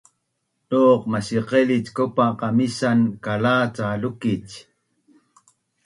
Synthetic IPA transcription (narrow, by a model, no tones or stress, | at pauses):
ʔoːqmasiqelit͡ʃkopaqɑmisankalaːt͡salukit͡ʃ